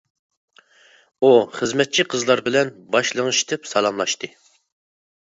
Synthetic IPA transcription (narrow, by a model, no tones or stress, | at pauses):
uχəzmɛt̪̚t͡ʃʰiqʰəzlˠɑɾbɪlɛnbɑʃlˠəŋɨʃt̪ʰɪpsɑlˠɑmlˠɑʃt̪ɨ